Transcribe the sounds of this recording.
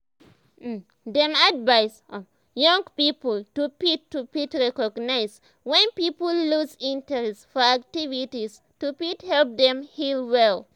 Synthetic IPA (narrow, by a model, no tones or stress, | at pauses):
dɛ̃madvaɪs | jɔ̃ŋɡpipəltupitːupitɹɛkɔɡnaɪs | wɛ̃npipəlːusĩntɛɹɛstfɔak̚tivitis | tupithɛlp̚dɛ̃mhilwɛl